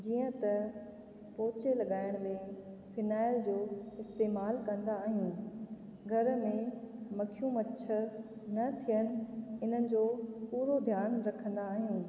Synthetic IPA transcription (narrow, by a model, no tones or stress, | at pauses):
d͡ʑiːə̃t̪ɐ | poːt͡ɕelɐɠaːɪɽ̃mẽ | fɪnaːɪld͡ʑoːɪst̪eːmaːlkɐ̃nd̪aːɦijũː | ɡʱɐɾmẽmɐkʰijũmɐt͡ɕʰə | nɐt̪ʰijənɪ̆ɪn̤ənɪ̆d͡ʑoːpuːɾod̪ʱjaːnɾɐkʰə̃nd̪aːɦijũː